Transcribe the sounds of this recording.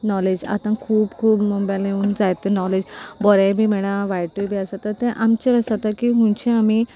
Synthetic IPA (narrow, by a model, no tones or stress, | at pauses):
nɔled͡ʑa̰t̪ãkʰuːbkʰuːbmɔmbaleũːnd͡zajt̪ənɔled͡ʑbɔɾãbʱiːmɛɽ̃ãʋajʈubʱiasat̪at̪ẽʔamt͡ɕeɾəsat̪akiɦũnt͡ɕẽami